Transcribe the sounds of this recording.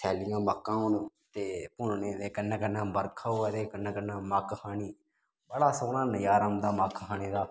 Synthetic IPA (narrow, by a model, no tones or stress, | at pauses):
sʰɛːlɪjãːmaːkːãːɦʊn | t̪eːpʊɳneːd̪eːkənːãːkənãːbəɾkʰaːaːd̪eːkənãːkənãːmaːkhʰaːniː | bəɽaːsoːnãːnəjaːɾəmd̪aːmaːkhʰaːneːd̪aː